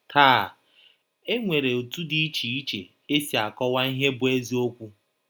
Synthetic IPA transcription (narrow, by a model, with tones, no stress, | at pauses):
tʰaː˦˨ | e˦ŋʷe˨ɾe˨o˨tu˦di˦i˦t͡ʃi˨i˦t͡ʃe˨ | e˦si˨a˨kɔ˦wa˦i˦ɦe˦bʊ˨˦e˦zi˦o˦kʷu˦